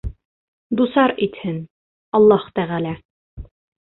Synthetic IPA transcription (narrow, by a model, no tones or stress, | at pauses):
d̪usɑɾit̪hɘn | ɑlˠːɑhu̥t̪æʁælæ